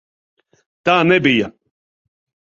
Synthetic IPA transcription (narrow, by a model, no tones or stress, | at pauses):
t̪aːnɛbijɐ